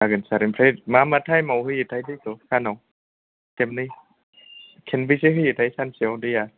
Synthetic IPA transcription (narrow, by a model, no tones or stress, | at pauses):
aɡɯnsaɾimpʰɾejt̚mamatʰajmawhɯjetʰajdɯjkʰɔsʰanaw | kemnɯj | kʰenbɯjseɦɯjetʰajsansiawdɯja